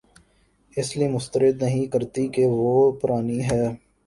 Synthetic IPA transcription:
ɪslimʊst̪əɾɪd̪nɐɦĩkɐɾt̪ikeʋoːpʊɾaːniɦɛː

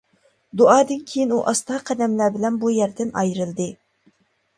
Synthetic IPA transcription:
d̪uɑːd̪ɨnkʲʰejinuʔɑst̪ɑqʰɛd̪ɛmlæbɪlɛnbujæɾd̪ɪnɑjɾɨlˠd̪ɨ

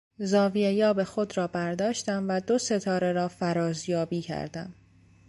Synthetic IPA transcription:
zɒːvijejɒːbe̞xo̞d̪ɾɒːbæɾd̪ɒːʃt̪æmvæd̪o̞se̞t̪ʰɒːɾe̞ɾɒːfæɾɒːzjɒːbiːcʰæ̰ɾd̪æ̰m

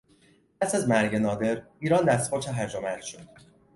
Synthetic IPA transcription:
p̚ʰæsæzmæɾɟe̞nɒːd̪e̞ɾ | iːɾɒːnd̪æst̪bɒt͡ʃʰeɦæɾd͡ʒomæɾʃod̪̥

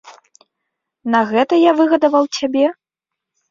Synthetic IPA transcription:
nɐɣɛt̪ɐjavɨɣɐd̪ɐvɐwt͡sʲabʲɛ

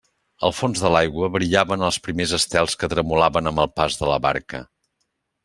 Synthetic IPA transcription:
əlˠfonzðəlajɣwəβɾiʎaβənəlˠspɾimezəst̪ɛlˠskət̪ɾəmulaβənəmbəlˠpazðələ̰βa̰ɾkə̰

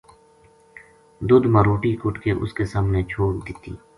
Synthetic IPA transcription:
d̪ʊd̪mãɾoːʈikʊʈkeʔʊ̰skesaːmnet͡ʃʰoːkd̪ɪt̪ḭː

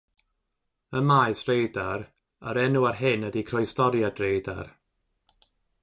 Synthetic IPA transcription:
əmaɨsrejdaɾ | aɾɛnuarɦɪnədikʰrɔjstɔɾjadrejda̰r

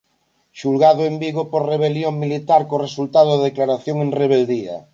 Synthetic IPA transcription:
ʃulɣað̞oembiɣopoɾreβ̞eljoŋmilit̪aɾkoresult̪aðoððeklaɾaθjoŋenreβ̞eld̪ia̰

